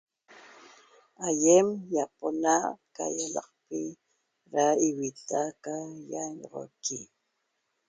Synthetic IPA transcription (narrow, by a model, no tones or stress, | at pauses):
ajemjaponaka̰jalɑ̰qpɪ | ɾaiwit̪akajaɲʁo̰ki